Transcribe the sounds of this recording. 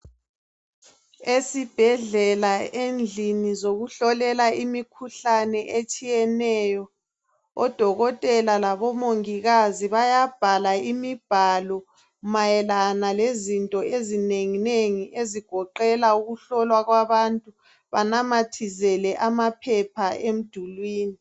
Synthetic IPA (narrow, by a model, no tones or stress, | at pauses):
esib̥ʱɛɮɛlaend͡ɮʱinizoɣuɬɔlɛlaimikʰuɬanɛʔet͡ʃʼijɛnɛjɔ | ɔ̰d̥ʱɔɣɔtʼɛlalaβɔmoŋiɣaziβajab̥ʱalaimib̥ʱalɔ | majɛlanalezintʼɔʔezineŋineŋiʔeziɡ̥ʱɔǃɛlauɣuɬɔlwaɣwaβantʼu | βanamatʰizɛlɛʔamapʰɛpʰaem̩d̥ʱulwiːni